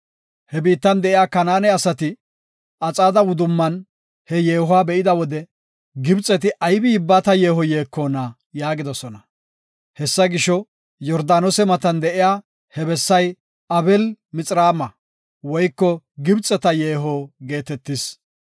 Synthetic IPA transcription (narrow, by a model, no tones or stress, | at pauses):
hɛbiːt̪ːɐnd̪ɛʔɪjaːkɐnaːnɛɐsɐt̪ɪ | ɐt͡sʼaːd̪ɐwʊd̪ʊmːɐn | hɛjeːhʊwaːbɛʔɪd̪ɐwɔd̪ɛ | ɡɪbt͡sʼɛt̪ɪʔɐjbɪɪbːaːt̪ɐje̞ːɦɔje̞ːkːoːnɐ | jaːɡɪd̪ɔsɔnɐ | hɛsːɐɡɪʃɔ | jɔɾd̪aːnɔsɛmɐt̪ɐnd̪ɛʔɪjaː | hɛbɛsːɐj | ɐbɛlmɪt͡sʼɾaːmɐ | wɔjkːɔ | ɡɪbt͡sʼːɛt̪ɐje̞ːɦɔɡe̞ːt̪ɛt̪ːɪs